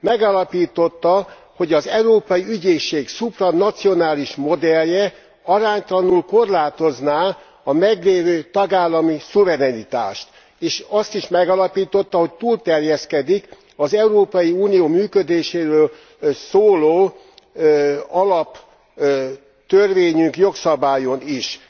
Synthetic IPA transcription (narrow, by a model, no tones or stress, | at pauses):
mɛɡalɒpiːt̪o̞t̪ːɒ | ho̞ɟɒzɛuɾoːpɒjiyɟeːʃeːksuprɒnɒt̪sio̞naːliʃmo̞d̪ɛljɛ | ɒɾaːɲt̪ɒlɒnulko̞rlaːt̪o̞znaː | ɒmɛɡleːvøːt̪ɒɡaːlːɒmisuvɛɾɛnit̪a̰ːʃt̪ | eːʃɒst̪iʃmɛɡɒlɒpiːt̪o̞t̪ːɒɦo̞c̚t̪uːlt̪ɛrjɛskɛd̪ik | ɒzɛuɾoːpɒjiuːnijoːmyːkød̪eːʃeːɾøːl | soːloː | ɒlɒp | t̪ørʋeːɲyŋkjo̞ksɒbaːjoniʃ